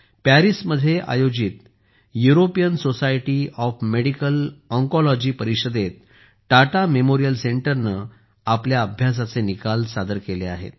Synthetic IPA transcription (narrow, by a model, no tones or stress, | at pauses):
pæɾisməd̪ʱːjeʔa̰jod͡ʑit̪ | juɾopijənsosajʈiɔfmeɽikələŋkɔlɔd͡ʑiːpəɾikɕəd̪et̪̚ | ʈaʈamemoɾijəlseɳʈəɾnə | apljaəbʱjas̬at͡senikalsad̪əɾkelea̰ɦḛt̪